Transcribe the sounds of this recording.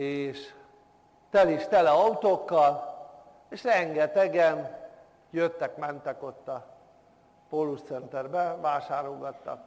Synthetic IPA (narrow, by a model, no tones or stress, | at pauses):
eːʃ | t̪ɛliʃt̪ɛlɛɒut̪oːkːɒl | eːʃrɛŋɡɛt̪ɛɡɛm | jøt̪ːɛkmɛnt̪ɛko̞t̪ːɒ | polːust̪sɛnt̪ɛrbɛʋaːʃaːɾoɡɒt̪ːɒ̰k